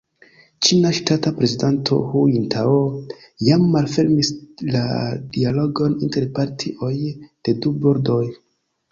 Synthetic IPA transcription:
t͡ʃinaʃtatapɾe̞zidantʰo̞̰huintʰao | jamːalfe̞ɾmisla̰dialo̞ɡo̞ninte̞ɾpaɾtʰiʔojd̥e̞dubo̞ɾdo̞j

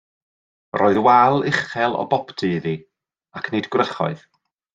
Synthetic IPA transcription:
roːɨðwalˠɪχɛlˠɔ̰bɔptʰɨði | akʰnedɡrəχɔ̰ɨð̥

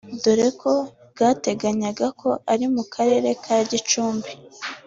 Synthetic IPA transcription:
doɾe̞ko̞ | bɡaːte̞ɡaɲaɡakʰo̞ʔaɾimukʰaɾe̞ːɾe̞kʰaɾaɟit͡ʃuːmbi

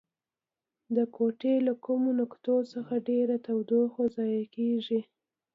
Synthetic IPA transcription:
d̪əkoʈelakumonʊkt̪osəxaɖeɾat̪awd̪oxozɑjakeʒi

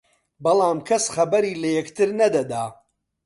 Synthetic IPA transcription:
bɐlˠaːmkʰɐsχɐbɐɾiːlɐjɛkt̪ʰɨɾnɐd̪ɐd̪aː

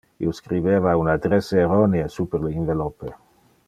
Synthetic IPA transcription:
ḭoskɾiveːvaunad̪ɾeseːɾɔneesupeɾleinvelɔpːe

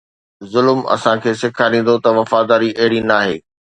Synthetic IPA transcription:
zʊlmɐ̰sãkʰeːsɪkʰaɾĩːn̆d̪ot̪ɐʋɐfaːd̪aːɾiʔɐɦɪɽinaːɦeː

